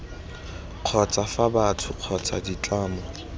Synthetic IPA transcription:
q͡χʰɔt͡sʼafabatʰʊq͡χʰɔt͡sʼa̰dit͡ɬaːmɔ

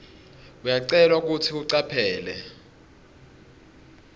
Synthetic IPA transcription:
ujaǀɛlwak̬ʼutʰiuǀapʰɛːlɛ̰

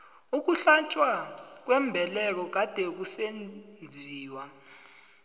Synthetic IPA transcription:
uk̬uɬat͡ʃʼwak̬wɛmbʱɛlɛk̬ɔk̬ad̥ʱɛk̬usennd͡zʱiːwa

